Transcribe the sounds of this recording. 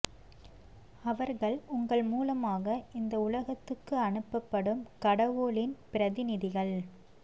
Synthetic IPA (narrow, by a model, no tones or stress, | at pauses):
ɐʋɐɾɣɐɭʊŋɡɐɭmuːlɐmaːɣɐʔɪnd̪ɐʊlɐɣɐt̪ːɯkːɯɐɳɯpːɐpːɐɽɯmkɐɽɐʋoːɭɪnpɪɾɐðɪnɪðɪɣɐɭ